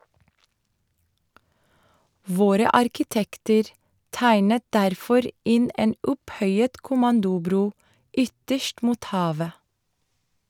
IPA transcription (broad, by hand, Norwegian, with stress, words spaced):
ˈʋoːɾə ɑɾkɪˈtɛktəɾ ˈtæɪnət ˈdæɾfɔɾ ˈɪn ˈeːn ˈʊpˌhœʏət kʊˈmɑndʊˌbɾuː ˈʏtəʃt ˈmuːt ˈhɑːʋə